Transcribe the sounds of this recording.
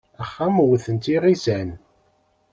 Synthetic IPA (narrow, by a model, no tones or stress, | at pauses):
æχːæmwθənt̪iʁizæn